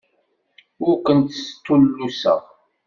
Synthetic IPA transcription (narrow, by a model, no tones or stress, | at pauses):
ʊɾkʷənt̪st̪ːulːusə̰ʁ